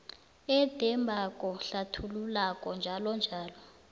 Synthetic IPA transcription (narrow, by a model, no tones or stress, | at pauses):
ɛd̥ʱɛmbʱakʼɔɬatʰululakʼɔnd͡ʒʱalɔnd͡ʒʱaːlɔ